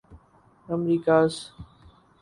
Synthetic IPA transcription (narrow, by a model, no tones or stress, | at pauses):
əmɾiːkaːs